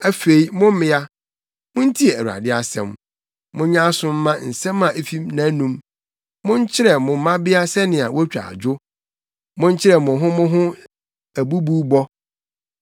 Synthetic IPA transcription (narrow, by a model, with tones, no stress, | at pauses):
æ˦fe˨i˦mʊ̃˦m̩˦mɪ̃˦a˦ | mʊ̃˦n̩˦tʰi˦ɛ˨æ˨a̰˨dɪ˦a˨sɛ̰̃˨m | mʊ̃˦ɲã˦sʊ̃˦m̩ː˦ã˦n̩˨sɛ̃˦mã˨ʔe˨fi˦mnã˨˦nũ˦m | mʊ̃˦ɲ˦t͡ɕʰɪ˦ɾɛ˨mʊ̃˨m̩˦mã˦bɪ˦a˦sɛ˦nɪ̃˨a˨wʔɔ˦t͡ɕᶣa̰˨d͡ʑᶣʊ˦ | mʊ̃˦ɲ˦t͡ɕʰɪ˦ɾɛ˨mʊ̃˨ɦʊ̃˦mʊ̃˦ɦʊ̃˦ | æ˨bu˦buː˦bɔ˦